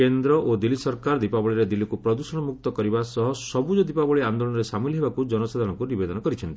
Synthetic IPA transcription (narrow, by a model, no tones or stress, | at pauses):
kend̪ɾɔʔod̪ilːisɔɾkaɾd̪ipabɔɭiɾed̪ilːikupɾɔd̪usɔɽ̃ɔmuk̚t̪ɔkɔɾibasɔɦɔsɔbud͡ʒɔd̪ipabɔɭiand̪olɔ̃ɔɾesamiliɦebakud͡ʒɔnɔsad̪ʱaɾɔŋkunibed̪ɔnɔkɔɾit͡ʃʰɔnt̪i̥